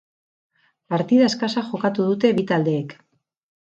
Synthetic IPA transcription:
paɾt̪iðae̞skasaxo̞kat̪uð̞ut̪e̞βit̪ald̪e̞ːk

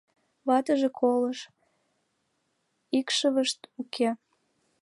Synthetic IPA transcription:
βɑt̪əʒekʰoləʃ | ikʃəβəʃt̪ukʰe

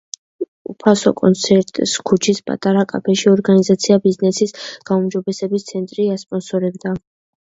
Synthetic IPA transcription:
ṵpʰasɔ̰kʼɔ̰nt̪sʰɛɾt̪ʼskʰut͡ʃʰispʼa̰t̪ʼaɾakʼa̰pʰɛʃiɔɾɡanizat̪sʰiabiznɛsisɡ̥aumd͡ʒɔbɛsɛbist̪sʰɛnt̪ʼɾiaspʼɔnsɔɾɛbd̪a

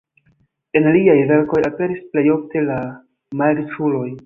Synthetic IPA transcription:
e̞nliajve̞ɾko̞jape̞ɾisple̞jo̞fte̞la | malisulo̞j

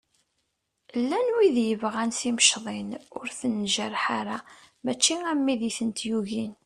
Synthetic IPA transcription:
lːænwiðjəvʁænsiməʃðˤenʊɾθənʒəɾħaɾa | mæt͡ʃːiæmːiðiθənt̪juʝin

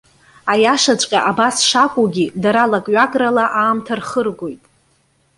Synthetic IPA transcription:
ajaʂat͡ɕʷʼqʲʼaʔabasʂakʷʼuɡʲidaɾalakʼɥakʼralaʔaːmtʰarχərɡʷo̞jtʼ

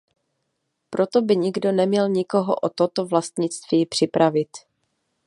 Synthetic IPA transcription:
pɾo̞t̪o̞bɪɲɪɡdo̞nɛmɲɛlɲɪko̞ɦo̰ʔot̪o̞t̪o̞vlast̪ɲɪt͡st̪viːpr̝̥ɪpɾavɪt̪

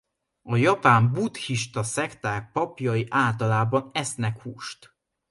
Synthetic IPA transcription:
ɒjɒpaːmbut̪hiʃt̪ɒsɛkt̪aːk̚pɒpjɒjiʔaːlt̪ɒlaːbɒnɛsnɛkhuːʃt̪

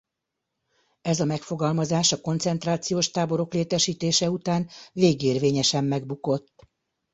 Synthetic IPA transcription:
ɛzɒmɛkfo̞ɡɒlmɒzaːʃɒko̞nt̪sɛnt̪raːt̪sijoːʃt̪aːbo̞ɾo̞kleːt̪ɛʃiːt̪eːʃɛut̪aːnveːɡeːrveːɲɛʃɛmːɛɡ̚buko̞t̪ː

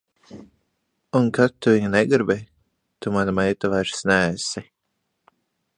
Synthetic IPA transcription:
unkat̪ːuviɲanɛɡiɾbɛj | t̪umanamɛjt̪avajɾsnæːsi

